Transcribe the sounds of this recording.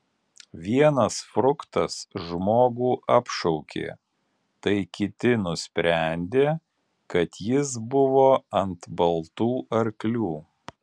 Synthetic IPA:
ʋʲiɛnɐsfɾʊkt̪ɐsʒmoːɡuːʔɐpʃɔʊkʲḛː | t̪ɐɪkʲɪt̪ʲɪnʊsʲpʲɾʲæˑnʲd̪ʲeː | kɐt̪jɪs̬bʊʋoːɐnt̪bɐlˠt̪uːʔɐɾklʲuː

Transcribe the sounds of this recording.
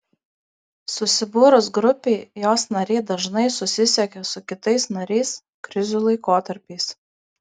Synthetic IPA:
sʊsʲɪbʊːɾʊsɡɾʊpʲeɪjoːsnɐɾʲɛɪd̪ɐʒnɐɪsʊsʲɪsʲɛkʲɛsʊkʲɪt̪ɐɪsnɐɾʲɛɪs | kɾʲɪzʲuːlˠɐɪkoːt̪ɐɾʲpʲɛɪs

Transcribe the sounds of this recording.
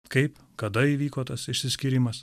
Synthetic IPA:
kɐɪp | kɐd̪ɐiːʋʲiːkoːt̪ɐsɪʃʲsʲɪsʲkʲɪɾʲɪmɐs

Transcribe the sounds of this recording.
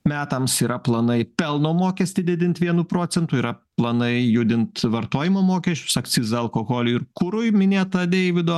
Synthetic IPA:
mʲæːt̪ɐmsiːɾɐplˠɐnɐɪpʲɛlˠnoːmoːkʲɛsʲt̪ʲɪd̪ʲɪd̪ʲɪnt̪ʲʋʲiɛnuːpɾoːt͡ssʲɛnt̪uːiɾɐplˠɐnɐɪjʊd̪ʲɪnt̪ʋɐɾt̪oːjɪmoːmoːkʲɛsʲt͡ʃʲʊ̥sɐk̪sʲɪzɐɐlˠkoːɣoːlʲʊɪɾkʊɾʊɪmʲɪnʲeːt̪ɐd̪ʲɛjʋʲɪd̪oː

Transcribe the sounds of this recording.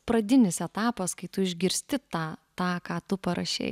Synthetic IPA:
pɾɐd̪ʲɪnʲɪsɛt̪ɑːpɐskɐɪt̪ʊɪʒʲɡʲɪɾʲsʲt̪ʲɪt̪ɑːt̪ɑːkɑːt̪ʊpɐɾɐ̰ʃʲɛ̰ɪ

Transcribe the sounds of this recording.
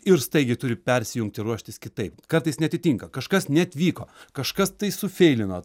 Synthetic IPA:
ɪɾst̪ɐɪɡʲɪt̪ʊɾʲɪpʲɛɾʲsʲɪjʊŋk̚t̪ʲɪɾuɔʃʲt̪ʲɪskʲɪt̪ɐɪpkɐrt̪ɐɪsnʲɛɐt̪ʲɪt̪ʲiŋkɐkɐʃkɐsnʲɛɐt̪ʲʋʲiːko̰ːkɐʃkɐst̪ɐɪsʊfʲɛɪlʲɪnoː

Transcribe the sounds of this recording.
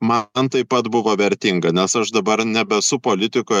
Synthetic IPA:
mɐnt̪ɐɪpːɐt̪bʊʋoːʋʲɛɾʲt̪ʲɪŋɡɐnʲɛsɐʃd̪ɐbɐɾnʲɛbʲɛsʊpoːlʲɪt̪ʲɪkoː

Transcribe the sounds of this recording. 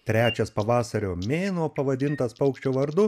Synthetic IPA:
t̪ʲɾʲæːt͡ʃʲɛspɐʋɑːsɐɾʲoːmʲeːnoːpɐʋɐd̪ʲɪnt̪ɐspɐʊkʃʲt͡ʃʲoːʋɐɾd̪ʊ

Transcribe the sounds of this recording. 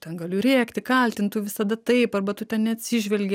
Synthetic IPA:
t̪ʲɛnɡɐlʲʊɾʲeːkt̪ʲɪkɐlʲt̪ʲɪnt̪uːʋʲɪsɐd̪ɐt̪ɐɪpɐrbɐt̪ʊt̪ʲɛnnʲɛɐt̪ʲsʲɪʒʲʋʲɛlʲɡʲɛ

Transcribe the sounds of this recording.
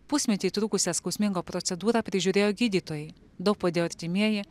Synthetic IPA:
pʊsʲmʲɛt̪ʲiːt̪ɾuːkʊsʲɛskɔʊsʲmʲɪŋɡoːpɾɔt̪sʲɛd̪uːɾɑpʲɾʲɪʒʲuɾʲeːjoːɡʲiːd̪ʲiːt̪oːjɛɪ | d̪ɐʊk̚poːd̪ʲeːjoɐɾʲt̪ʲɪmʲiɛjɪ

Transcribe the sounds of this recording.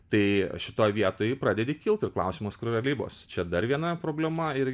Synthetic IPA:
t̪ɐɪʃʲɪt̪oːjʋʲiɛt̪oːjpɾɑːdʲɛd̪ʲekʲɪlˠt̪ɪrklˠɐ̰ʊsʲiːmoːskɾʲʊɾʲɛlʲiːbo̰ːst͡ʃʲɛd̪ɐɾʋʲiɛnɐpɾoːbʲlʲɛmɐɪɾ

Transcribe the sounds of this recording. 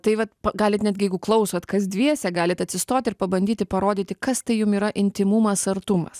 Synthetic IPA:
t̪ɐɪʋɐt̪pɐɡɑːlʲɪt̪nʲæːd̪ʲɡʲɪjɛɪɡʊklˠɐʊsoːt̪kɐsd̪ʲʋʲiɛsʲɛɡɑːlʲɪt̪ɐt̪ʲsʲɪst̪oːt̪ʲɪɾpɐbɐnʲd̪ʲiːt̪ʲɪpɐɾoːd̪ʲiːt̪ʲɪkɐst̪ɐɪjʊmiːɾɐʔɪnʲt̪ʲɪmumɐsɐrt̪umɐ̰s

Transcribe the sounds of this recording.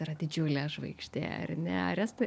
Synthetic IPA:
ɪɾɐd̪ʲɪd͡ʒʲuːlʲɛʒʋɐɪkʃʲt̪ʲḛːɐ̰rnʲɛɐ̰ɾʲɛst̪ʊ

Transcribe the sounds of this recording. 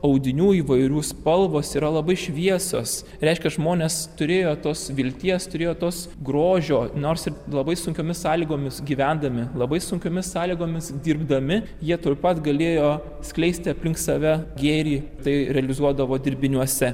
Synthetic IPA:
ɐʊd̪ʲɪnʲuːiːʋɐɪɾʲuːspɐlˠʋoːsiːɾɐlˠɐbɐɪʃʲʋʲiɛso̰ːs | ɾʲɛɪʃʲkʲɛʒmoːnʲeːst̪ʊɾʲeːjoːt̪oːsʋʲɪlʲt̪ʲiɛst̪ʊɾʲeːjoːt̪oːsɡɾoːʒʲoːnoːrsɪrlˠɐbɐɪsʊŋʲkʲoːmʲɪsɑːlʲiːɡoːmʲɪsɡʲiːʋʲænd̪ɐmʲɪlˠɐbɐɪsʊŋʲkʲoːmʲɪssɑːlʲiːɡoːmʲɪsd̪ʲiːrbd̪ɐmʲɪ | jiɛt̪opɐt̪ɡɐlʲeːjoː | sʲklʲɛɪsʲt̪ʲɪɐpʲlʲɪŋkt̪sɐʋʲɛɡʲeːɾʲiːt̪ɐɪɾʲɛɐlʲɪzuɔd̪ɐʋoːd̪ʲɪɾʲbʲɪnʲuɔsʲɛ

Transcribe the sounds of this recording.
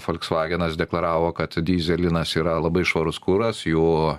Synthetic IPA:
foːlʲksʋɑːɡʲɛnɐsd̪ʲɛklˠɐɾɑːʋoːkɐt̪d̪ʲiːzʲɛlʲɪnɐsiːɾɐlˠɐbɐɪʃʋɐɾʊskuɾɐsjuː

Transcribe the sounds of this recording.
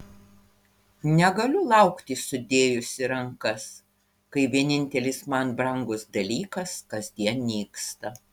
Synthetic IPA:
nʲɛɡɐlʲʊlˠɐʊkt̪ʲɪsʊd̪ʲeːjʊsʲɪɾɐŋkɐs | kɐɪʋʲiɛnʲɪnʲt̪ʲɛlʲɪsmɐnbɾɐŋɡʊsd̪ɐlʲiːkɐskɐzʲd̪ʲiɛnnʲiːkst̪ɐ

